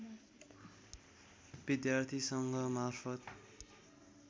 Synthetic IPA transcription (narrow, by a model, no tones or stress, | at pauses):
b̥id̪jart̪ʰisʌŋɡʌmarpʰʌt̪